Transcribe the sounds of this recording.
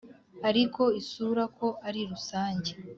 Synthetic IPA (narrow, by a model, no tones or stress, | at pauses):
aɾiko̞isuːɾakʰo̞aɾiɾusaːɲɟe